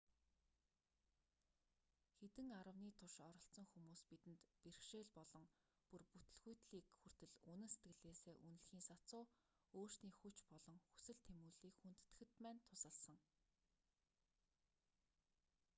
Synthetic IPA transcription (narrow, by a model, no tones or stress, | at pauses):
xet̪ɘ̆ŋaɾə̆wniːt̪ʰʊʃɔɾɞ̆ɬt͡sɞ̆ŋxumuːspit̪ɘ̆nt̪perxʃeːɮpɔɮɞ̆ŋ | purput̪ɵ̆ɮɣujt̪ɮiːkxur̥t̪ɘ̆ɮunɘ̆nse̥t̪ɡɘ̆ɮeːseːʔunɘ̆ɮxiːŋsat͡sʊː | oːr̥sniːxut͡ɕpɔɮɞ̆ŋxu̥sɘ̆ɮt̪ʰemuːɮiːkxun̥t̪ːɘ̆xɘ̆t̪pæːnt̪ʰʊsə̆ɮsə̆ŋ